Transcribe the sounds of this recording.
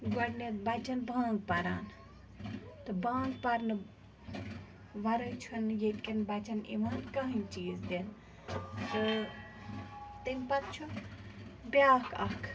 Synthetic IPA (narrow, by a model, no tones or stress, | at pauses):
ɡɐɽnet̪bɐt͡ʃɐnbʱãːŋɡ̚pɐɾaːn | t̪ɨbʱãːŋɡ̚pɐɾnɨ | ʋɐɾət͡ʃʰunjet̪kɐnbɐt͡ʃɐnḭʋaːnkɐɦɐ̃nt͡ʃiːzd̪en | t̪ɨ | t̪ɨmʲpɐt̪̚t͡ʃʰu | bʲjaːkʰɐ̰kʰ